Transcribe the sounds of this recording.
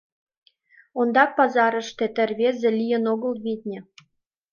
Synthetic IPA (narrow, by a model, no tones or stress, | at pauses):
ond̪ɑk̚pɑzɑɾə̆ʃt̪et̪ɘ̆rβezĕlʲijə̆noɣɤ̆lˠβid̪̚ʲnʲɘ̆